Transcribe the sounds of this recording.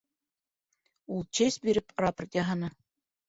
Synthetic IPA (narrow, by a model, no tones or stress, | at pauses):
ulˠt͡ɕesʲbiɾɘprapərt̪jaɦɑnɤ